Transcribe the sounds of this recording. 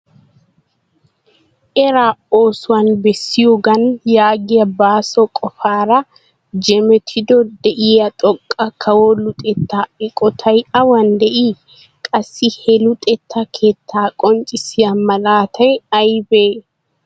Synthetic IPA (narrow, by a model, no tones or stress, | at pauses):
ʔɛɾaːoːsʊwɐnbɛsːɪjʊɡɐnjaːɡɪɐbaːsɔkʼɔfaːɾɐ | d͡ʒɛmɛt̪ʰɪd̪ɔd̪ɛʔiːɐt̪ʼɔkʼːɐkʰɐwoːlʊt̪ʼɛt̪ːaːɪkʼɔt̪ʰɐjɐwɐnd̪ɛʔiː | kʼɐsːihɛlʊt̪ʼɛt̪ːakʰeːt̪ːaːkʼɔnt͡ʃʼɪsɪɐmɐlaːt̪ʰɐjɐjbeː